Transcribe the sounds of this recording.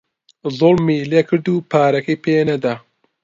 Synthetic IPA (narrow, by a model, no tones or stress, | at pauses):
zolmiːleːkʰɨɾd̪upʰaːɾɐkɐjpʰeːnɐd̪aː